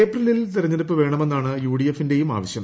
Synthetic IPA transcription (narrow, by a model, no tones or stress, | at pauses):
eːprɐlilt̪iɾɐɲːɐɾɐpːɨʋe̞ːɳɐme̞nːaːɳɨjuːɽijefːinde̞juma̰ːʋɐɕjɐm